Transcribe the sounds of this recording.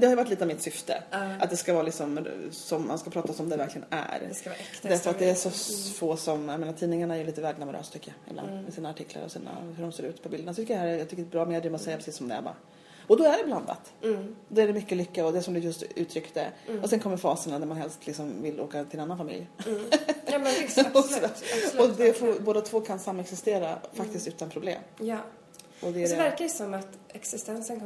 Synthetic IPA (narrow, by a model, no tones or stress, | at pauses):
d̪ɛhaɾjʏvaʈːliːt̪avmɪt̪sʏft̪ə̰ʔa̰t̪̚d̪ɛskavɑːɾalɪksɔmsɔmːa̰nskapʰɾɑːt̪asɔmd̪ɛvæɾklɪɡənæ̰ɾd̪æɾfœɾat̪d̪ɛæʂɔfoːsɔmjalmeːnat̪ʰiːnɪŋaɳaæɾjɵliːt̪əvæːɖnamɔɾʔø̰ːst̪ʰʏkːəjaɪ̰bla̰nd̪mɛsiːnaːʈʰɪkʰla̰ɾɔ̰sḭːna̰hɵɖɔmseːɾʉ̟ːt̪pʰɔbɪld̪əɳasɔt̪ʰʏkːəjahæːɾjɑɡt̪ʏkːəɖɛbɾɑːmeːd̪ɾiːmasɛjːapʰɾɛsiːsːsɔmd̪ɛ̰bɑ̰ | ɔd̪ɔæɖɛbland̪a̰t̪d̪ɔæɖɛmʏkːəlʏkːaɔd̪ɛsɔmd̪ɵjɵst̪ʉ̟ːt̪ʰɾʏkt̪ə̰ɔsɛnkʰɔmːəɾfɑːsənad̪æɾmanɦɛlst̪ʰlɪksɔmvɪlo̰ːkat̪ɪlɛnanːanfamɪ̰lj | m | ɔd̪ɛfɔboːd̪at̪ʰvoːkʰansamːɛksɪst̪eːɾafak̚t̪ɪst̪ʉ̟ːt̪anpʰɾʊblḛːmj | ɔd̪ɛædɛvæɾkasɔmat̪ɛksɪst̪ɛnsənk